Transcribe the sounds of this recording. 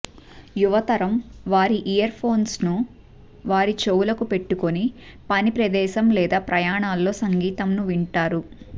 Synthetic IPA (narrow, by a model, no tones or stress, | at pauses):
juʋɐt̪ɐɾɐmʋaːɾiʔijɐɾpʰo̞ːnsnu | ʋaːɾit͡ʃowulɐkupe̞ʈːukonipɐnipɾɐd̪ɛːʃɐmlɛːd̪aːpɾʔɐjaːɳaːlːo̞ːsɐŋɡiːt̪ɐmnuʋiɳʈaːɾu